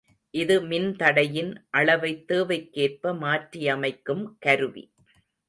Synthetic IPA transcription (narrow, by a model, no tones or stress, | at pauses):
ʔɪðɯmɪnt̪ɐɽɐjɪnʔɐɭɐʋɐɪt̪ːeːʋɐɪkːeːr̚pɐmaːʈrijɐmɐɪkːɯmkɐɾɯʋḭ